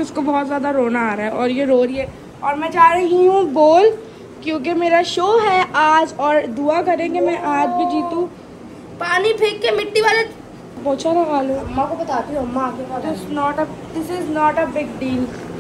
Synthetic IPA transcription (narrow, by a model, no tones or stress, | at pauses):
ʊskobɔːt̪zjaːd̪aɾoːnaaːɾaɦɛʔɔːɾjeɾoːɾiɛ | ɔːɾmɛ̃ːd͡ʒaːɾɐɦiɦũboːl | kjõːk̬emeːɾaʃoːɦɛʔaːd͡ʒɔːɾd̪uakɐɾẽɡemɛ̃ʔaːd͡ʒbʱid͡ʒiːt̪ũ | paːnipʰeːkːemɪʈːiʋaːle | bɔːt̪t͡ʃʰaɾaʋaːlũɐmːãkobɐt̪aːt̪iũɐmːãaːkekat̪snɔːʈəd̪ɪsɪznɔːʈəbɪɡ̚ɖiːl